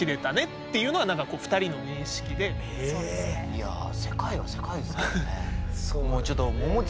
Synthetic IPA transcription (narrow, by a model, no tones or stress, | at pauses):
iɾe̞t̪ane̞t̪ːejɯ̟ːno̞ɡanãŋkako̞ːɸɯ̟̥t̪aɾʲino̞ɲ̟ĩɰ̃ɕi̥kʲid̪e̞ | ia̰se̞kaiβase̞kaid̪esnesomoːt͡ɕot̪ːomo